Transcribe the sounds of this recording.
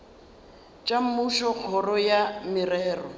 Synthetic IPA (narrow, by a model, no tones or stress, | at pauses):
t͡ʃʼam̩muʃɔk͡xʰɔrɔjamɪrɛːrɔ